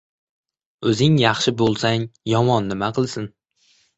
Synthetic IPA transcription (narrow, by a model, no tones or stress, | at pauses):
ɵzɪŋjɑχʃɪbolˠsaŋjɒmɒnːɪmaqʰɨlˠsɪn